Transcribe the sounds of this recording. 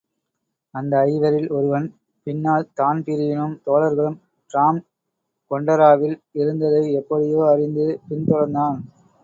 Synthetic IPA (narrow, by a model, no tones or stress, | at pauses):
ɐnd̪ɐːɪʋɐɾɪlɔɾɯʋɐn | pɪnːaːlt̪aːnpɪɾɪʋɪnɯmt̪oːlɐɾɣɐɭɯm | ʈɾaːm | kɔɳɖɐɾaːʋɪlɪɾɯnd̪ɐðɐɪɛpːɐɽɪjoːɐɾɪnd̪ɯpɪnt̪ɔɾɐɾnd̪aːn